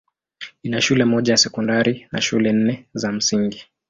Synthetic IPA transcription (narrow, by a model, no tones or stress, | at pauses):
inaʃulɛmɔʄajasɛkɔndaɾina̰ʃulɛn̩nɛzam̩siŋɡi